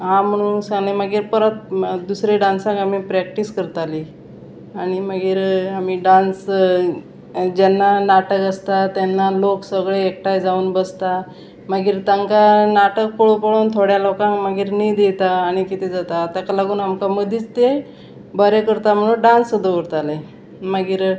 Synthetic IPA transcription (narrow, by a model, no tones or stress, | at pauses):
ɦãm̤əɽ̃uːnsãŋɡlẽməɡiːɾpəɾət̪̚d̪usɾeɖãnsãŋkam̤ipɾɛk̚ʈiskəɾt̪ali | aɽ̃iməɡiːɾamiːɖãns | d͡ʑɛnːanaʈəkəst̪at̪anːaloksəɡɭeːk̚ʈajd͡zauːnbəst̪a | məɡiːɾt̪aŋkanaʈək̚pəɭupəɭoːnt̪ʰoɽjalokãŋkməɡiːɾniːd̪et̪aːɽ̃ikit̪ʰed͡zat̪at̪jakalaɡuːnɦamkaməd̪ʱiːt͡st̪e | bəɾekəɾt̪am̤əɽ̃uɖansəd̪ʱəʋəɾt̪ale | məɡiːɾ